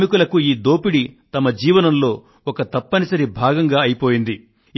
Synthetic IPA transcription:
mikulɐkuiːd̪oːpiɽit̪ɐmɐd͡ʒiːʋɐnɐmlo̞ː | ɔkɐt̪ɐpːɐnisɐɾibʱaːɡɐŋɡaːɐjipo̞ːjind̪i

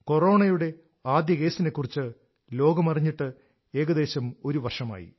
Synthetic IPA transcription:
ko̞ro̞ːɳɐjuɽe̞ | aːd̪jɐke̞ːsine̞kːurit͡ɕːɨ | lo̞ːɡɐmɐriɲːiʈːɨ | e̞ːɣɐd̪e̞ːɕɐmo̞ɾuʋɐrʂɐma̰ːjḭ

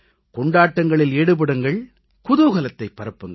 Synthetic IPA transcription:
kɔɳɖaːʈːɐŋɡɐɭɪleːɽɯp̬ɐɽɯŋɡɐɭ | kʊðuɣɐlɐt̪ːɐɪpːɐɾɯpːɯŋɡɐ

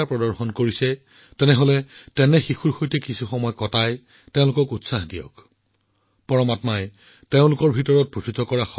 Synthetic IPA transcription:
apɹɔdɔɹxɔnkoɹisɛ | tɛnɛɦolɛtɛnɛxixuɹxojtɛkisuxɔmɔjkɔtaj | teʊ̃lʊkɔkutsaxdijɔ̰k | pɔɹɔmatmaj | teʊ̃lʊkɔɹbʱitɔɹɔt̚pɹutʰitɔkɔɹaxɔ

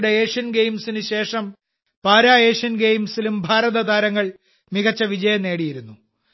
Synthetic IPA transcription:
ɽeeːʂɐnɡejmsinɨɕe̞ːʂɐm | paːɾaːeːʂɐnɡejmsilumbʱaːɾɐðɐd̪aːɾɐŋːɐɭ | miɣɐt͡ɕːɐʋid͡ʑɐjɐne̞ːɽijiɾunːu

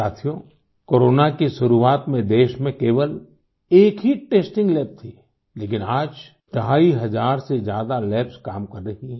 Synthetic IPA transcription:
aːt̪ʰijõ | koːɾoːnakiʃʊɾuaːt̪mẽd̪eːʃmẽkeːʋəl | eːkɦiʈeːsʈɪ̃ŋɡlɛːp̚t̪ʰiː | leːkɪnaːd͡ʒ | d̪̥aːiɦɐzaːɾsezjaːd̪alɛːpskaːmkɐɾːɐɦiɦɛ̃ː

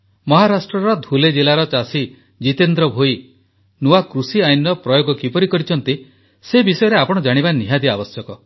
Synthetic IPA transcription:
mɔɦaɾasʈɾɔɾɔd̪ʱuled͡ʒilaɾɔt͡ʃasi | d͡ʒit̪end̪ɾɔbʱoj | nuakɾusiajnɔpɾɔjoɡɔkipɔɾikɔɾit͡ʃʰɔnt̪i | sebisɔjɔɾeapɔɽ̃ɔd͡ʒaɽ̃ibaniɦad̪iabɔsjɔkɔ

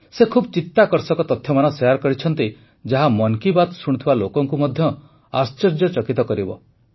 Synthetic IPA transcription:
sekʰubɔt͡ʃit̪ːakɔɾsɔkɔt̪ɔt̪ʰːjɔmanɔsejaɾkɔɾit͡ʃʰɔnt̪i | d͡ʒaɦamɔŋkibat̪ɔsuɽ̃ut̪ʰibalokɔŋkumɔd̪ʱjɔ | ast͡ʃɔɾd͡ʒɔt͡ʃɔkit̪ɔkɔɾibɔ̰

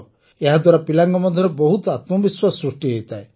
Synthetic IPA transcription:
eɦad̪waɾapilaŋɡɔmɔd̪ʱjɔɾebɔɦut̪ɔat̪mɔbiswasɾuʂʈiɦejt̪ʰae

